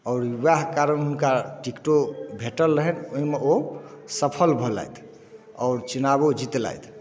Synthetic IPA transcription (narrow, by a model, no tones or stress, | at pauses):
ɔʊɾjuʋaɦkaɾənɦunkaʈikʈobʱeʈəlːəɦɛnoɦimeosəpʰəlbʱɔla̰jt̪ʰ | ɔ̰ʊɾt͡ʃinabod͡ʒit̪la̰jt̪ʰ